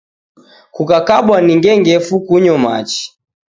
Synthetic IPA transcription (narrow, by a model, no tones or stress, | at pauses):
kukakaɓwaniŋɡɛŋɡɛfukuɲɔma̰t͡ʃi̥